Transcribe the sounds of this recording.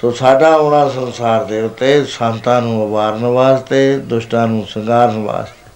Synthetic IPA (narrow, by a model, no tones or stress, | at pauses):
soːsaːɖãːoːɽãːsənsaːɾd̪eːʊt̪ːeːsãːnt̪ãːnũːəʋaːɾnəʋaːst̪eːd̪ʊʃʈãːnũːsəŋɡaːɾnəʋa̰ːst̪eː